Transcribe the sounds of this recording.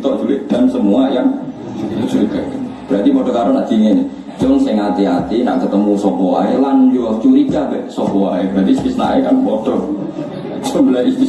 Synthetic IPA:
t̪ɔʔd͡ʒ̥ulɪd̪̥ansəmuajaŋ | t͡ʃuɾikaknb̥ɾat̪ipɔɖ̥ɔ̤kaɾɔna̰ʔd̪̥i̤ŋen | t͡ʃɔŋsɪŋat̪iat̪ina̰ʔkət̪əmusɔpɔa̰elanjot͡ʃuɾikabɛʔsɔpɔaebɾat̪ispisna̰ekanpɔɖ̥ɔ | səbilaispis

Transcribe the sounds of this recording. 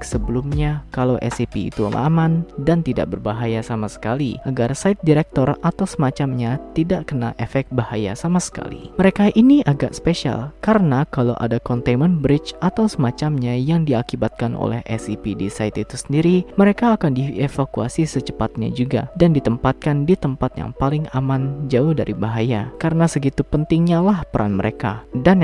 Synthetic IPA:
səbəlumɲakalawʔɛ̰sipḭḭt̪ṵla̰mandant̪ida̰ʔ̚bərbaɦajasamasə̥kaliʔaɡarsaɪt̪̚diɾɛk̚t̪ɔrat̪awsəmat͡ʃamɲat̪idaʔkəna̰ʔefɛk̚t̪̚bahaja̰samasə̥ka̰lḭməɾekaʔiniʔaɡa̰ʔsə̥peʃia̰lkaɾənakalawʔa̰dakɔnt̪emənbɾɪt͡ʃʔat̪awsəmat͡ʃamɲajaŋdiakibat̪̚kanʔo̰lɛ̰hɛ̰sipidisait̪it̪u̥sə̥ndiɾiməɾekaːkandiefakua̰sisət͡ʃə̥pat̪̚ɲa̰d͡ʒuɡa̰dandit̪əmpat̪̚kandit̪əmpat̪ja̰ŋpalɪŋamand͡ʒaʊhda̰ɾibaɦajakaɾənasəɡit̪upənt̪ɪŋɲalahpəɾa̰nməɾekadan

